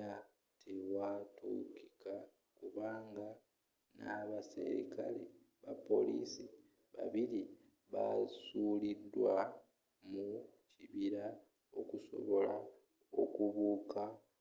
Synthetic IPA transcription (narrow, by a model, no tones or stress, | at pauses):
a | tʰewatṵki̥ka | kuβaːŋɡa | naβasḛɾḭkale | βapo̞lḭsi | βa̰βili | βasuːlidːwa | muciβiɾa | o̞kuso̞̰βo̞la | o̞kuβuːka